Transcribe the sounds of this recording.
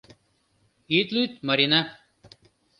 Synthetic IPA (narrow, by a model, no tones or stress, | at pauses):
iːt̪lut̪mɐɾinɐ